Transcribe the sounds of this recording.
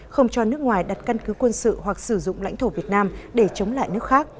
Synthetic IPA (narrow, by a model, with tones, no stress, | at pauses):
xə˧wŋ͡mt͡ɕɔ˧nɨ˦˥ək̚ŋwaː˨˩jɗa˨˩t̚ka˧nkɨ˨˦kwə˧nsɨ̰˧˨hwa˨˩k̚sɨ˧˩zʊ̰˧˨ŋ͡mla̰˧˥jŋ̟t̪ʰo˧˩vi˨˩ət̚naː˧mɗe˧˩t͡ɕə˨˦wŋ͡mla̰ː˧˨jnɨ˦˥əkxaː˦˥k̚